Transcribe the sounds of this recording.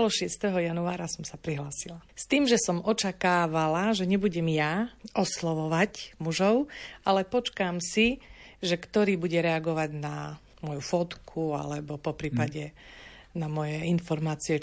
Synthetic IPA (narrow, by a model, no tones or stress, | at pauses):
lɔʃɪɛst̪ɛɦɔjanuaːɾasɔmsapɾiɦlaːsilast̪iːmʒɛsɔmɔt͡ʃakaːʋalaʒɛɲɛbuɟɛmjaʔɔslɔʋɔʋacmuʒɔʊalɛpɔt͡ʃkaːmsiʒɛkt̪ɔɾiːbuɟɛɾɛaɡɔʋaɟna | mʊɔjufɔt̪kʰua̰lɛbɔpɔpɾiːpaɟɛ | namɔjɛinfɔɾmaːt͡siɛ